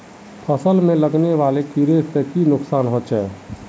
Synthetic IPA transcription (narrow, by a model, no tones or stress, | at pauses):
pʰəsəlmẽləɡneʋalekiɾett̪ekinʊksanɦot͡ʃʰɛː